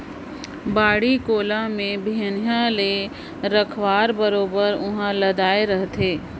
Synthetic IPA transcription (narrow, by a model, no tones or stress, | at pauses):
baːɽikoːlamẽbʱiənjãle | ɾəkʰʋaːɾbəɾoːbəɾʊɦãlɐd̪aːeɾɐɦt̪ʰeː